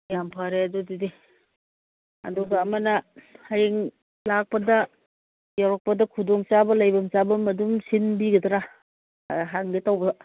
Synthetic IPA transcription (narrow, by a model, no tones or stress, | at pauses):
jampʰaɾeɐdudidi | ɐ̰duɡaːmɐnɐhajeŋ | lak̚pɐdɐ | jawɾak̚pɐdɐkʰudɔŋt͡ʃabɐlajbɐmt͡ʃabɐmɐdumsinbiɡɐdɾa̰ | ɦaŋɡetawbɐ